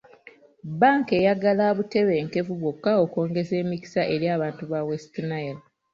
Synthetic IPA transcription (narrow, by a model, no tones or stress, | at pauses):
baːŋke̞jaɡalaːβute̞βe̞ːŋke̞fuβwo̞kːaoko̞ːŋɡe̞se̞ːmiki̥saʔe̞ɾjaːβaːntuβawestinael